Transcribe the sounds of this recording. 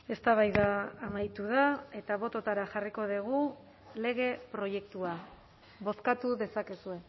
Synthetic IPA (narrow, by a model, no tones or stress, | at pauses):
e̞st̪aβajðaːmajt̪uð̞ae̞t̪aβ̞o̞t̪o̞t̪aɾaxariko̞ðiɣ̞u | le̞ɣ̞e̞pɾo̞je̞k̚t̪ua | βo̞skat̪uðe̞sake̞sue̞